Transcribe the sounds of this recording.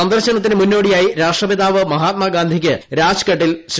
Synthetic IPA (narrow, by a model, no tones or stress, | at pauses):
ɐnd̪ɐrɕɐnɐt̪ːinɨmunːo̞ːɽijaːjiɾaːʂʈrɐbid̪aːʋɨmɐɦaːt̪̚mɐɡaːnd̪ʱikʲːɨɾaːd͡ʑkɐʈːilɕ